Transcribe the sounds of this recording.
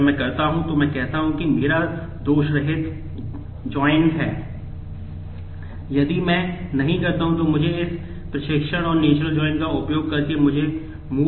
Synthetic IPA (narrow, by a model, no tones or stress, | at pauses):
mɛ̃ːkɐɾt̪aɦũt̪omɛ̃kɛɦt̪aɦũkimeːɾa | d̪oːʃɾɐɦɪt̪ | d͡ʒɔːɪnʈɦɛː | jɐd̪imɛ̃nɐɦĩkɐɾt̪aɦũt̪omʊd͡ʒʱeɪs | pɾɐʃɪkʃəɽ̃ɔːɾneːt͡ʃɾəld͡ʒɔːɪnkaʊpjoːɡ̚kɐɾkemʊd͡ʒʱe | muː